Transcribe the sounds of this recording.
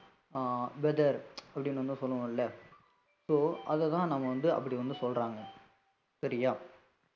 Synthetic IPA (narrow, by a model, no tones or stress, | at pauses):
bɛd̪ɐɾɐpːɐɽɪnːʋɐnd̪ɯsɔlːɐʋõːɪlːɐ | soːɐðɛt̪ãːnɐmːɐʋɐnd̪ɯɐ̰pːɐɽiʋɐnd̪ɯsɔlraːŋɡɐ | sɐɾɪjaː